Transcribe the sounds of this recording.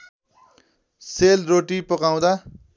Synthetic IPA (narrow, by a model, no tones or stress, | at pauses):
selroʈipʌkaw̃d̪a